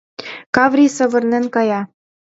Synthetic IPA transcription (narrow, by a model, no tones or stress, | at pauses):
kɑvrʲisɤ̆βɤ̆rnenkɑjɑ